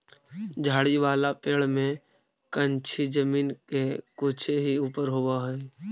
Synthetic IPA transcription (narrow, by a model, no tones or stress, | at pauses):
d͡ʒʱaːɽiʋaːlapeːɭmẽ | kənt͡ʃʰid͡ʒəmiːnkekoːt͡ʃʰeɦiuːpəɾɦoːbaɦɛe